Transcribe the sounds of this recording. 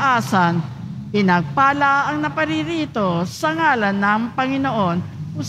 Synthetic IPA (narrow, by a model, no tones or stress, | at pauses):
ʔaːsɐn | pɪnɐɡ̚paːlɐʔɐŋnɐpɐɾiɾiːt̪o̞sɐŋaːlɐnːɐŋpɐŋɪnoʔo̞nʊ